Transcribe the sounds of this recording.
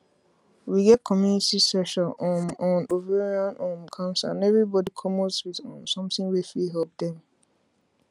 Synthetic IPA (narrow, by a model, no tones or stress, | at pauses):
wiɡɛt̚kʰɔmjunitisɛʃanɔ̃nɔ̃noveɹiãnõmkʰãʊnsaã̰nɛvɹibɔdikʰɔmoswitɔ̃nsɔ̃mtɪ̃ŋwifiɦɛlp̚d̪ɛ̃m